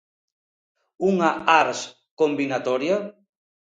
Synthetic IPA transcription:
uŋaaɾs | kombinat̪ɔɾja

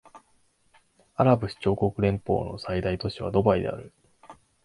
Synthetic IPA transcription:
aɾabɯ̟ɕi̥t͡ɕo̞ːko̞kɯ̟ɾẽ̞mpo̞̰ːno̞̰said̪ait̪o̞ɕiβa̰d̪o̞baid̪e̞̰a̰ɾɯ̟

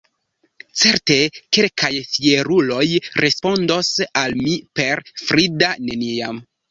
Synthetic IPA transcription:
t͡se̞ɾte̞kelkʰajfie̞ɾulo̞jɾʔe̞spo̞ndo̞salmipe̞ɾfɾidane̞niam

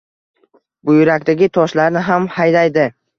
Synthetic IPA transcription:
bʊjʊɾakʲt̪aɡʲɪt̪ʰɒʃlaɾnɪɦamhajdlajd̪ɪ

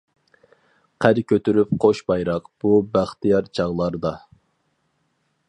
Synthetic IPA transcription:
qʰæɾkʲʰøt̪ʰyɾyp̚qʰoʃbɑjɾɑqb̥ubæχt̪ʰijɑɾt͡ʃʰɑʁlˠɑɾd̪ɑ

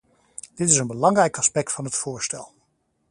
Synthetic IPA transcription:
d̥ɪtɪsənbəlɑŋrɛjkɑspɛk̚tfɑnɦətfʊːɹstɛ̰lˠ

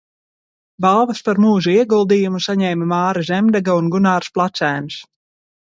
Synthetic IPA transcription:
bɑlˠvaspaɾmuːʒuiɛɡulˠd̪iːjumusaɲɛːmamɑːɾazʲemd̪ɛɡaunɡunaːɾsplˠat̪sæːns

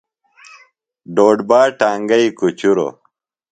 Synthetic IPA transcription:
ɖoːɖbaːʈaːŋɡɐikut͡ɕuɾo̰

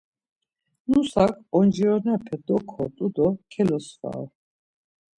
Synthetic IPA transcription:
nusakʰɔnd͡ʒiɔnɛpʰɛd̪ɔkʰɔt̪ʼud̪ɔkʰɛlɔsva̰ɾ

